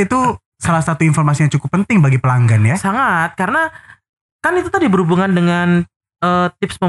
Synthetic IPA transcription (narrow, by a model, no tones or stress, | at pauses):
it̪u | salahsat̪uinfɔrmasijɲaŋt͡ʃukʊpːənt̪ɪŋbaɡipəlaŋɡanjasaŋat̪̚kaɾəna | kanit̪ut̪adibəɾhubuŋandəŋan | əːt̪ɪpsmə